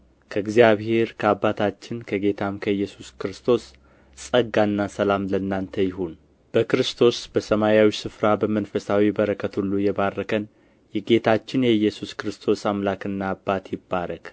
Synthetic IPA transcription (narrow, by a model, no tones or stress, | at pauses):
kʰəɨɡzijaβhe̞ɾkʰəabːat̪ʰat͡ʃːɪnkʰəɡe̞t̪ʰamkʰəjːɛsu̥skɨɾɨst̪ʰo̞s | sʼəɡanːasəlamlənːant̪ʰəjɪɦon | b̥əkɨɾɨst̪ʰo̞sb̥əsəmajawisɨfɾabəmənfəsawibəɾəkʰːət̪ʰulːujɛbarːəkʰən | jɛɡe̞t̪ʰat͡ʃːɪnjɛjːɛsuskɨɾɨst̪ʰo̞samlakɨnːaːbːat̪jɪbːaɾək